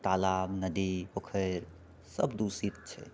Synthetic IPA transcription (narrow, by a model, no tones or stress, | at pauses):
t̪alamnəd̪ipəkʰəɾ | səbd̪usit͡ʃʰɛ̰